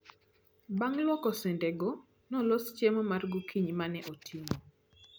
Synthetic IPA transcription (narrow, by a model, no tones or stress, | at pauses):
baŋlwɔkɔsɛndɛɡɔ | nɔlost͡ʃjemɔmarɡukʰiɲmanɛʔɔtʰimo